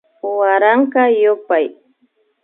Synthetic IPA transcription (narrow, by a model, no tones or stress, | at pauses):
waɾaɴkɑjʊpaj